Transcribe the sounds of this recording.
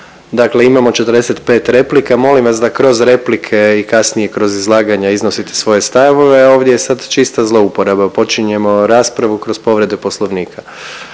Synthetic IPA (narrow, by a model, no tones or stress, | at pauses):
d̪akle̞imamo̞t͡ʃet̪əɾd̪eset̪pe̞ːt̪ɾe̞plikamo̞limʋas̬d̪akɾo̞zɾe̞plikʰe̞ikasnije̞kɾo̞zizlˠaːɡaɲaiznosit̪esʋo̞je̞st̪aʋo̞ʋe̞o̞ːʋd̪jejesad̪t͡ʃist̪azlˠo̞upo̞ɾabapo̞t͡ʃiɲe̞mo̞ɾaːspɾaʋukɾo̞zpo̞ʋɾe̞d̪epo̞slˠo̞ʋniːkʰa